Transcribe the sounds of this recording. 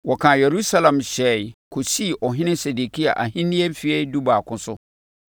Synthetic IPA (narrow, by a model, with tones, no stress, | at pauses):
wɔ˨kʰã˨je˨ɾu˦sa˦lã˨mɕɛ˨˦˨ɪ˨kʰo˨si˦˨ʔɔ˨ɦɪ̃˦nɪ̃˦se˨du˨kʰi˦a̰˨ʔa˨ɦĩ˦nĩ˦e˦m̩˦fi˦e˦du˦baː˨kʊ̃˦sʊ˦